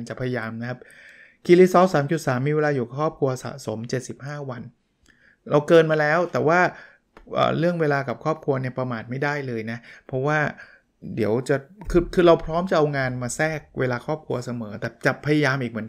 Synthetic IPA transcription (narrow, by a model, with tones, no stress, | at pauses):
nt͡ɕa˨˩pʰa˧ja˧jaː˧mna˦˥kʰa˦˥p̚ | ki˧li˦˥sɔː˦˥saː˩˦mt͡ɕu˨˩t̪̚saː˩˦mːiː˧we˧laː˧juː˨˩ka˨˩kʰɔː˥˩p̚kʰɾu˧ɐsa̰˨˩so˩˦mt͡ɕe˨˩t̪̚si˨˩p̚haː˥˩wa˧n | ɾa˧wkɤː˧nmaː˧lɛː˦˥wt̪ɛː˨˩waː˥˩ | ʔə̰ː˨˩ɾɯ˥˩əŋweː˧laː˧ka˨˩p̚kʰɔː˥˩p̚kʰu˧ɐni˥˩ɐpɾa˧maː˨˩t̪̚ma˥˩jdaː˥˩jlɤː˧jna˦˥pʰɾɔ˦˥waː˥˩ | di˩˦əwt͡ɕa˨˩kʰɯː˧kʰɯː˧ɾa˧wpʰɾɔː˦˥mt͡ɕa˨˩ʔa˧wŋaː˧nmaː˧sɛː˥˩k̚wʔeː˧laː˧kʰɔː˥˩p̚kʰu˧ɐsa˧mɤː˩˦t̪ɛː˨˩t͡ɕa˨˩pʰa˧ja˧jaː˧mʔiː˨˩k̚mɯ˩˦n